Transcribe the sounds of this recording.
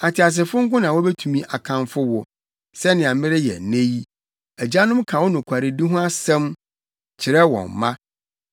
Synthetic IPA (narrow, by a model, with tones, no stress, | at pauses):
a˨tʰɪ˨a˨s̬ɪ˨fʊ˦ŋ̩˦kʊ̃˦nã˨wɔ˦bɛ˦tʰũ˨mĩ˦˨ʔa˨kʰã˨nfʊ˦wʊ˨ | sɛ˦nɪ̃˨ã˨mɪ̃˦ɾɪ˦jɛ̰˨nẽ˦ji˦ | æ˨d͡ʑa˦nʊ̃˦mkʰã˨wɔ˦nʊ̃˨kʷʰa˨ɾɪ˨di˦ɦʊ̃˦a˦sɛ̃˦m | t͡ɕʰɪ˨ɾɛ˦wɔ̰̃˨mːã˦